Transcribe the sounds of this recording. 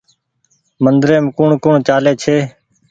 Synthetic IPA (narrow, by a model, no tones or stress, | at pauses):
mənd̪ɾeːmkʊɳkʊɳt͡ʃaːleːt͡ʃʰeː